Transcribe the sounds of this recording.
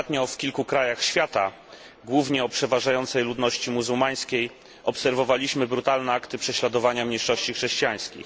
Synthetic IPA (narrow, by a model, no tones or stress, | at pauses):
t̪ɲɔfkʲilkukɾajaxɕfʲjat̪a | ɡwuvɲɛɔpʂɛvaʐajɔnt̪sɛjlud̪nɔɕt͡ɕimuzuwmaj̃skʲej | ʔɔpsɛɾvɔvalʲiɕmɘbɾut̪alnɛakt̪ɘpʂɛɕlad̪ɔvaɲamʲɲejʂɔɕt͡ɕixʂɛɕt͡ɕijaj̃skʲḭx